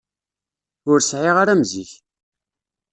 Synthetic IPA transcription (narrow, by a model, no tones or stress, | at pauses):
ʊɾsʕiʁaɾæmziç